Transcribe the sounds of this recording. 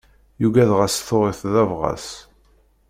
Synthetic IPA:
juɡæðʁæsθʊɾˤɪθðævʁɑ̰s

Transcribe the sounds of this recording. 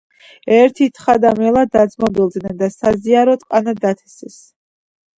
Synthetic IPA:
ɛɾt̪ʰit̪ʰχad̪amɛlˠad̪ad̪zmɔbilˠd̪nɛnd̪asaziaɾɔt̪ʼqʼanad̪at̪ʰɛ̥sɛs

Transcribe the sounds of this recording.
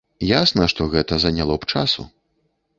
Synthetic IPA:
jasnɐʂt̪ɔɣɛt̪ɐzɐnʲalˠɔpt͡ʂasṵ

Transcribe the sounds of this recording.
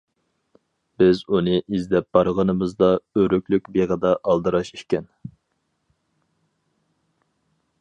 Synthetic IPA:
b̥ɪzunɨʔizd̪ɛp̚b̥ɑɾʁənɨmɨzd̪ɑøɾykʲlykʲbeʁəd̪ɑʔɑlˠd̪ɨɾɑʃiʃkʲɛn

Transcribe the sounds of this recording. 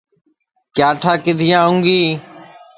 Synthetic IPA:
kjaːʈʰaːkɪd̪ʱɪjãːɦʊ̃ŋɡiː

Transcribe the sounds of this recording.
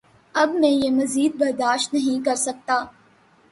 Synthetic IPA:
ɐbmɛ̃jemɐziːd̪̚bɐɾd̪aːʃt̪nɐɦĩkɐɾsɐk̚t̪aː

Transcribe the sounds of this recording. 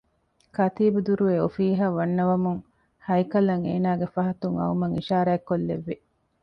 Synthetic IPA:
kɐt̪iːbud̪uɾuʋeofiːɦaːʋɐnːɐʋɐmuŋ | hɐjkɐlɐŋḛːnaːɡefɐɦɐt̪uŋɐ̰umɐŋiʃaːɾaekːolːḛʋːi

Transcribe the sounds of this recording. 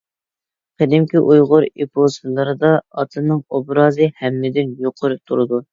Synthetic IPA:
qʰəd̪ɪmkʲiʔujʁʊɾipʰosɨlˠɨɾɨd̪ɑɑt̪ʰɨnɨŋobɾɑːzɨhɛmːɪd̪ɪnjoqʰʊɾɨt̪ʰuɾɨd̪u

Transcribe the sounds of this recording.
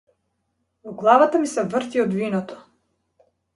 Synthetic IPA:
vɔɡlˠavat̪amisɛvrt̪iɔd̪vinɔt̪ɔ̥

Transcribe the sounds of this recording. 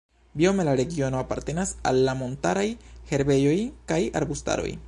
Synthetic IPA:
bio̞me̞laɾe̞ɡio̞no̞apaɾte̞nasa̰lːamo̞ntaɾajhe̞ɾbe̞jo̞jkaja̰ɾbusta̰ɾo̰j

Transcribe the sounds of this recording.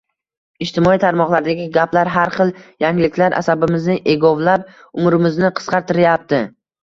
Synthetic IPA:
ɪt͡ʃt̪ʰɪmɒit̪ʰaɾmɒqlˠaɾd̪aɡʲɪɡʲaplaɾɦaɾχɨlˠjaŋɪlɪkʲʰlaɾʔa̰sabɪmɪznɪʔe̞ɡɒvlap̚ | ʊmɾɪmɪznɪqʰɨ̥sqɑɾt̪ɪɾajap̚t̪ɪ

